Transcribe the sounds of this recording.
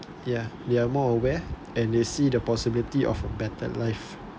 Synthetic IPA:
jadeamɔəwɛ | ɛ̃ndesidəpɔsibilitiʔɔ̰fəbɛtə̰laɪf

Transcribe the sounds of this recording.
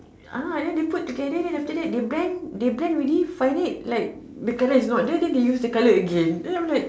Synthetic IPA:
adɛ̃ndeputːuɡɛdəɛ̃naftədɛʔ̚debɹɛ̃ndeblɛ̃nɹilifajnet̚lajk̚ | dəkaləisnɔʔ̚dədɛ̃ndejusdəkaləəɡɛ̃nãmlajk̚

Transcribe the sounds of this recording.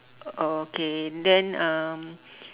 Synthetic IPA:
okeɛndɛ̃nãm

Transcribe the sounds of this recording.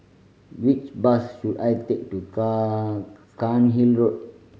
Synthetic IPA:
wit͡ʃbasʃudajt̪ek̚tuk | kanɦilɹot̚

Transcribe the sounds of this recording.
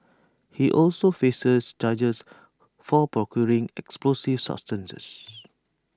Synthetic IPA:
hiʔɔlsofesəsd͡ʒad͡ʒəs | fɔpɹɔkʰjɔɹĩŋɛ̰ksplosivsa̰p̚stə̃nsə̰s

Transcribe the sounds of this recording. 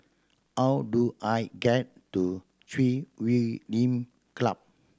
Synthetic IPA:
hawduʔajɡɛt̚ːu | tʰɹiwilĩm | kla̰p̚

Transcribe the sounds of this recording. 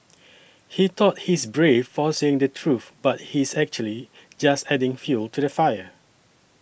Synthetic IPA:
hitɔt̚hisbɹefːɔseɪ̃ŋdətʰɹuθbat̚hisɛk̚t͡ʃuəli | d͡ʒastɛdɪ̃ŋfjultʰudəfajə

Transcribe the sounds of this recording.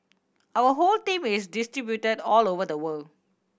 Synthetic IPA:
ʔawəɦoltĩmɪsdistɹibjutədɔlovəd̪əwəld

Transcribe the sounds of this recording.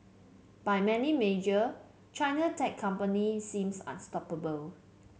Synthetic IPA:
b̥ajmɛnimed͡ʒə | t͡ʃaɪnətʰɛkʰːãmpənisĩmsã̰nstɔpəbəl

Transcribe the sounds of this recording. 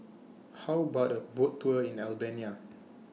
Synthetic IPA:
hawbɔt̚əbottʰːuəĩnɛlbɛ̃nia

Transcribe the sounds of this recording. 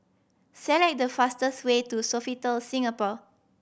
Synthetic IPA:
sɛlɛk̚dəfastəswetusofitəlsĩŋapɔ

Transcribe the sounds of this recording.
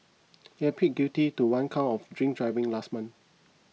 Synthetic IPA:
iɛpʰit̚ɡutituwãnkʰãɔfdɹĩŋk̚dɹaɪvĩŋlastmãn

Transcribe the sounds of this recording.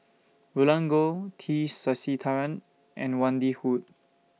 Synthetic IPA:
vulãŋɡotʰisasitʰaɹə̃n | ʔɛ̰̃nwãndihut̚

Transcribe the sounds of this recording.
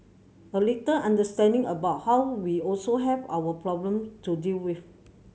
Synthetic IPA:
ʔəletəʔãndəstɛ̃ndɪ̃ŋəbaʊt̚hawwiɔlsoɦɛva̰wəpʰɹɔblə̃mtudilwif

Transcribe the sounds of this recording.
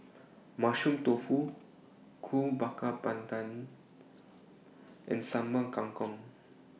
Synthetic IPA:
maʃũmt̪ofu | kʰubakapãnt̪ãn | ʔɛ̰̃nsaməkãŋkɔ̃ŋ

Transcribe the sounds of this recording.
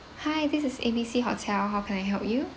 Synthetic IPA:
haɪdɪsɪsḛbiːsiːɦɔ̰tʰɛlɦaʊkʰɛ̃naɪɦɛlpju

